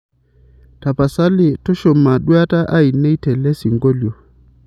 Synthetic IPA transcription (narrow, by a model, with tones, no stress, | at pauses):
ta˨pa˨sa˦li˨tɔ˦ʃɔ˨ma˨ɗu˦a˦ta˦ʔa˦i˨nɛ˦i˦tɛ˨lɛ˦si˨ŋɡɔ˦ljɔ˨